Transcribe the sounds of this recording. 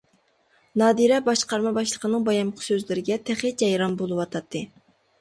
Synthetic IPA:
nɑːd̪iɾɛbɑʃqɑɾmɑbɑʃlˠəqʰənɨŋbɑjɑmqʰə̥søzlɪɾɪɡʲɛt̪ʰæχid͡ʒɛjɾɑnbolˠɨwɑt̪ʰɑt̪ʰːɨ

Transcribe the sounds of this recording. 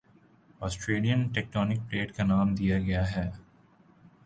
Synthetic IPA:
ɔːsʈɾeːlijənʈɛːk̚ʈɔːnɪk̚pleːʈkanaːmd̪ijaɡɐjaɦɛː

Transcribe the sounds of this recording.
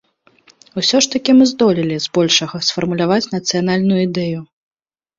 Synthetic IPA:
wsʲɔʂt̪ɐkʲimɨzd̪ɔlʲilʲizbɔlʲʂɐɣɐsfɐrmulʲavat͡sʲnɐt̪sɨjan̪alʲnʊjuid̪ɛju

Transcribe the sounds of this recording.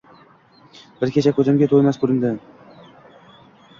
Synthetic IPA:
bɪɾkʲʰet͡ʃʰakʲʰɵzɪmɡʲat̪ʰolmaskʊɾɪnd̪ɪ

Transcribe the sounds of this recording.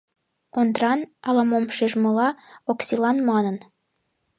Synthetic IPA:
ond̪rɑnɑlɑmomʃeʒmɤ̆lɑoksʲilɑnmɑnə̆n

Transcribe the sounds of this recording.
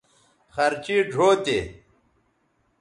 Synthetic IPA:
xɐɾt͡ɕiːɖʱoːt̪e

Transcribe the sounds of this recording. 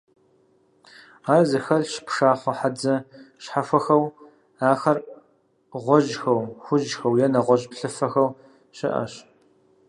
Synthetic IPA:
aːrzɨxɐɮʃpʂaːχʷɐħad͡zɐʃħafʷɐxɐw | aːxɐr | ʁʷɔʒxɐwxʷʊʒxɐwjɛnɐʁʷɔʑʼpɬɨfɐxɐw | ɕɪʔɐ̰ɕ

